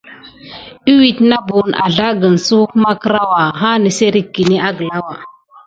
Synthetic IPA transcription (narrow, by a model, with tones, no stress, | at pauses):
i˦wi˨tna˦bu˨na̰˨ɮa˦ɡə˨n˨su˦kma˦kə˦ɾa˦wa˨ɦa˦nə˨se˦ɾi˦kːi˨ni˦a˦ɡə˨la˦wa˨